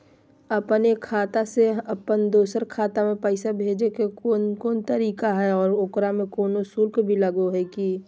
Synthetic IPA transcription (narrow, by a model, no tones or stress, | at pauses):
ɐpnekʰaːt̪aseəpənd̪oːsəɾkʰaːt̪amẽpəɪsabʱeːd͡ʒekekoːnt̪əɾiːkaɦɛɔːɾokɾamẽkoːnosuɾkbʱiləɡoɦɛki